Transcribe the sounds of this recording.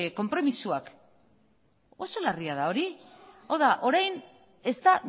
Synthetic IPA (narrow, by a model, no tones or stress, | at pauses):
ko̞mpɾo̞misuak | o̞so̞lariaðao̞ɾiawðaʔo̞ɾajn | e̞st̪a